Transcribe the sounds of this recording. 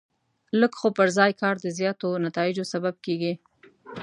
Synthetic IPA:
ləkxopəɾzɑjkɑɾd̪əzjɑt̪onat̪ɑɪd͡ʒosabab̚keɡi

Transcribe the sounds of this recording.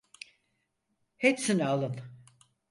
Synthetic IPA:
hepsinalˠɯn

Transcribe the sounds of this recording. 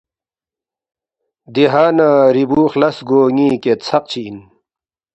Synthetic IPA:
d̪iɦaːnaːɾibuːxlɐsɡoːŋiːket̪t͡sʰɐq̚t͡ɕʰiːn

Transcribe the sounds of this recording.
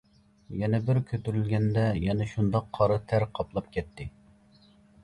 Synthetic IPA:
jɛnɛbɪɾkʲʰøt̪yɾylɡʲɛnd̪ɛjɛnɛʃund̪ɑqʰːɑɾɨt̪ʰæɾqʰɑplˠɑp̚kʲʰɛt̪ʰːɪ

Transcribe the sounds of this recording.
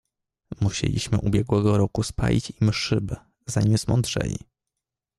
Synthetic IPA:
muɕḛlʲiɕmɘʔubʲjɛɡwɛɡɔɾɔkuspa̰lʲit͡ɕimʂɘbɘ | zaɲimzmɔnd̪ʐɛ̰lʲḭ

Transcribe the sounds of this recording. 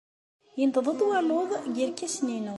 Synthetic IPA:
jənd̪ðˤəðˤwɑloðˤɡiɾkːæsninu

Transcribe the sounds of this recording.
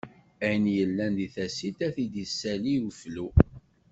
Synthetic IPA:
æjənjəlːænd̪iθæsit̪æθid̪əsːæliuflu

